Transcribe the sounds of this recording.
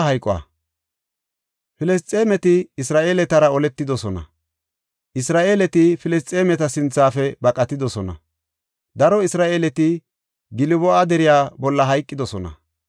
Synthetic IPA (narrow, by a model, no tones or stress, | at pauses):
ɦɐjkʼːɔɐ̰ | fɪlɛst͡sʼeːmɛt̪ɪːsɾaːʔeːlɛt̪ɐɾɐɔlɛt̪ːɪd̪ɔsɔnɐ̰ | ʔɪsɾaːʔeːlɛt̪ɪfɪlɛs̬t͡sʼeːmɛt̪ɐsɪnt͡sːaːfɛbɐkʼɐt̪ːɪd̪ɔsɔnɐ̰ | d̪ɐɾɔɪsɾaːʔeːlɛt̪ɪ | ɡɪlɪbɔʔad̪ɛɾɪjaːbɔlːɐɦɐjkʼːɪd̪ɔsɔnɐ̰